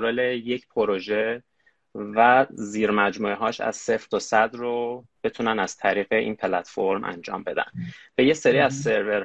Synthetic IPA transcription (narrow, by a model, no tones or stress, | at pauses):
ɾoleje̞cʰpʰoɾoʒe | væziːɾmæd͡ʒmuːeɦɒːʃæ̰z̥seft̪ʰosæd̪ro | b̥e̞t̪ʰunænæz̥t̪ʰæɾiːɣeʔḭːnpʰe̞læt̪foɾmʔæ̰nd͡ʒɒ̰ːmbe̞d̪æ̰nb̥e̞je̞se̞ɾiːæzse̞ɾve̞ɾ